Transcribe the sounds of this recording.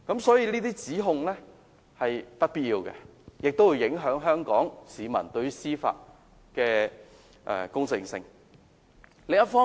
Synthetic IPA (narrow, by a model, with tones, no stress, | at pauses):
kɐ˨˥msɔː˨˥jiː˧niː˥t̪iː˥t͡siː˨˥ɦʊ˧ŋlɛː˥ | hɐ˨jt̪ɐ˥t̚piː˨t̚jiː˧wkɛ̰˧jɪ˨k̚t̪o˥wu˨˧jɪ˨˥ŋɦœː˨˥ŋɦœː˥ŋkɔː˨˥ŋsiː˨˧mɐ̰˨˩nt̪ɵ˧ɥy˥siː˥fa̰ː˧t̚ | kɛː˧ | ʔɛ̰˨kʊ˥ŋt͡sɪ˧ŋsɪ̰˧ŋ | le˨˩ɐ˥tfɔː˥